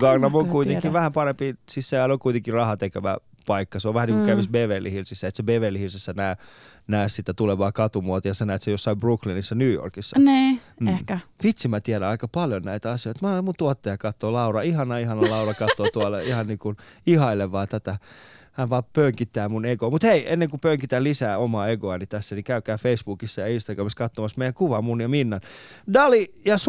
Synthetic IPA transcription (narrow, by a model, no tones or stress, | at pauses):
ɡ̥ɑɡnɑmokuit̪eŋkiʋʋæhæmpɑɾempisisːæːlokuit̪eŋkirɑhɑt̪ekeʋæ̰ | pɑikːɑseoʋʋæhæniŋkukæʋisbeːʋeːlːihilsisːæet̪sebeːʋeːlːihilsisːænæːnæːssit̪ːæt̪uleʋɑːkɑt̪umuot̪ɑjɑsɑnæːt̪sejosːɑibruklinisːɑnyːjo̰rkisːɑn̩ːehkæʋit̪simæt̪iæɾæɑikɑpɑljonnæit̪æɑsijoit̪mɑemunt̪uot̪ːejɑkɑt̪ːoːlɑurɑihɑnɑihɑnɑlɑurɑkɑt̪ːoːt̪uɑlːɑihɑnniːkunihɑileʋɑːt̪æt̪æhænʋɑːppøŋkit̪ːæːmuneɡomut̪heienːeŋkupøŋkit̪ælisæːomɑːeɡoɑnit̪æsːænikæykæːfeisb̥ukisːɑjɑinst̪ɑɡrɑmiskɑt̪ːomɑsmeijæŋkuʋɑmunjɑminːɑndɑlijɑs